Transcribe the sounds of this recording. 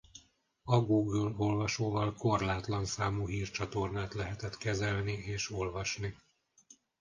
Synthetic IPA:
ɒɡuɡølo̞lvɒʃoːvɒlko̞rlaːt̪lɒnsaːmuːɦiːrt͡ʃɒt̪o̞rnaːt̪lɛɦɛt̪ɛt̪kɛzɛlnieːʃo̞lvɒʃni

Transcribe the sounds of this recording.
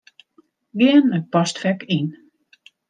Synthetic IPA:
ɡɪənət̚pɔstfɛkin

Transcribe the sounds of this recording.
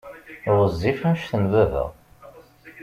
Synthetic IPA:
ɾˤəzːifæmʃθənvævə̰ʁ

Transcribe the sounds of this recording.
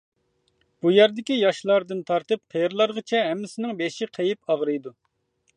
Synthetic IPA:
b̥ujæɾd̪ɪkʲijɑʃlˠɑɾd̪ɨnt̪ʰɑɾt̪ɨp̚qʰeɾlˠɑɾʁət͡ʃʰɛɦɛmːɪsɪnɪŋbeʃiqʰejipɑʁɾɨjd̪u

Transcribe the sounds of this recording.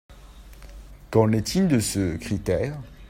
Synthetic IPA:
kɑ̃nɛt̪ʰild̪əsəkχit̪ɛːʁ

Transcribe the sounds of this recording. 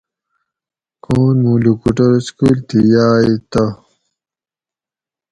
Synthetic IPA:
koːnmũːlukuʈoɾskuːlt̪ijaːit̪ɐ

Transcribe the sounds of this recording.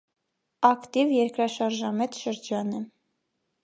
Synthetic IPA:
ɑkt̪ivjɛɾkɾɑʃɑɾʒɑmɛt̪ʃəɾd͡ʒɑnɛ

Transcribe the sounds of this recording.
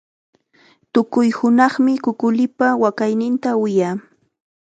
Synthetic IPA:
t̪ʊkʊjhʊnɑχmɪkʊkʊlɪpawakajnɪnt̪awɪjaː

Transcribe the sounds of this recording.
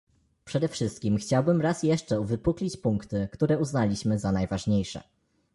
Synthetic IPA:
pʂɛd̪ɛfʂɘst̪̚kʲimxt͡ɕawbɘmɾasjɛʂt͡ʂɛuvɘpuklʲit͡ɕpuŋkt̪ɘkt̪uɾɛuznalʲiɕmɘzanajvaʐɲejʂɛ̰

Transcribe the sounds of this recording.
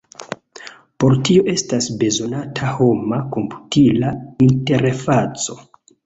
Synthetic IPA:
po̞ɾtio̞ʔe̞stasbe̞zo̞natʰaho̞mako̞mpu̥tʰilainte̞ɾfat͡so̞

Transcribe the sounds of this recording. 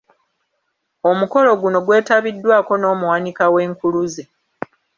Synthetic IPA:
o̞muko̞lo̞ɡuno̞ɡwe̞ːtaβidːwaːko̞no̞ːmuwanikawe̞ːŋkuluze

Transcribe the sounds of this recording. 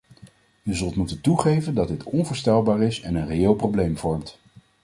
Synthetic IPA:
əzɵlˠtmutəntuχejvəndɑd̚dɪtʰɔnvʊːɹstɛlˠbaːɾɪsɛnənrejɪːlˠprowblejmv̥ɔɹmt

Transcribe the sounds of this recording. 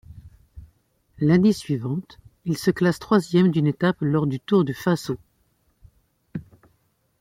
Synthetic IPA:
lanesɥivɑ̃t̪ilsəklast̪χwazjɛmd̪ynet̪aplɔʁd̪yt̪uʁd̪əfaso

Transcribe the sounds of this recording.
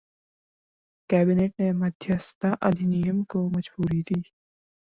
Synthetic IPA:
kæːbineːʈ̚nemɐd̪ʱjəst̪aʔɐd̪ʱinijəmkomɐd͡ʒbuːɾid̪iː

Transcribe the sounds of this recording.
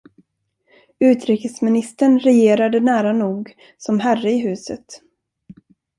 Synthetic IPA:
ʉ̟ːt̪ɾiːkəsmɪnɪst̪əɳɾɛjeːɾad̪ənæːɾanuːɡ | sɔmɦærəɪɦʉ̟ːsə̰t̪

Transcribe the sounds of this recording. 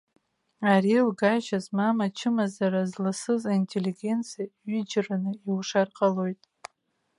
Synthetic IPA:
aɾilɡaʒazmamat͡ʃʰɪmazaɾazlasɨzaintʼeliɡʲe̞nt͡sʰijaɥid͡ʒranɨiwʂarqʼalo̞jtʼ

